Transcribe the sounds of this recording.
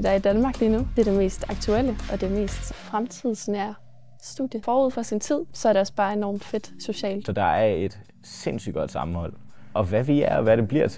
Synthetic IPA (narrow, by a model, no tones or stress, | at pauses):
d̥ɑ̈ɐid̥ænmɑ̈ːɡ̥liːnu̥iɐd̥e̝me̝̰ːsd̥ɑ̈ɡ̥̚t͡sʰuel̰əʔɒ̽d̥e̝me̝̰ːsd̥fʁamt͡sʰið̞̰ˠsnæɐ | sd̥uð̥ˠjəfɒːuð̰ˠfɒ̽sint͡sʰið̞̰ˠsɒ̽æɐɾeɒ̽səb̥ɑ̈ːe̝nɒ̰ːmd̥fe̝d̥so̝ɕɛ̰ːlsɒ̽d̥ɑ̈æɐe̝d̥ | se̝n̰sy̰ːɡ̥ɒ̽d̥sɑ̈məhɒl̰ | ʔɒ̽ʋæʋiæɐɒʋæɾ̥e̝b̥liɐ̰t͡sʰ